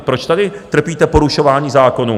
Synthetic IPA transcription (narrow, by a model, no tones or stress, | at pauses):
pɾot͡ʃt̪adɪt̪r̩piːt̪ɛpoɾuʃovaːɲiːzaːko̞nu